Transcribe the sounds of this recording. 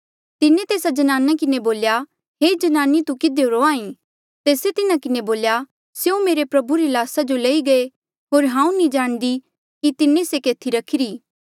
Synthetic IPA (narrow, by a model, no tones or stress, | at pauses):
t̪ɪnẽt̪eːsad͡ʒɐnaːnakɪneboːlja | ɦeːd͡ʒɐnaːnit̪ukɪd̪eoɾoaːĩ | t̪eːset̪ɪnakɪneboːlja | seũmeːɾepɾɐbuɾilaːsad͡ʒoleːiɡɐe | ɦoːɾɦãːũnĩd͡ʒaːɽ̃d̪i | kit̪ɪnẽsekeːt̪ʰiɾɐkʰɪɾiː